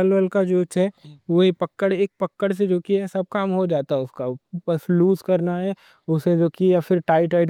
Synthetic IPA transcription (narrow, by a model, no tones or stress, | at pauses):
əlʋəlkad͡ʒoːt͡ʃɦɛʋoɦipɐkːəɽeːk̚pɐkːəɽs̬ed͡ʒoːkiɛsɐb̚kaːmɦod͡ʒaːt̪aɦɛʊskabɐsluːzkɐɾnaɦɛ | ʊsẽd͡ʒoːkijafɪɾʈaːɪʈaːɪɖ